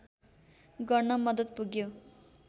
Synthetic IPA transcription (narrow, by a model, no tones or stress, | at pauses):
ɡʌrnʌmʌd̪ʌt̪̚puɡjo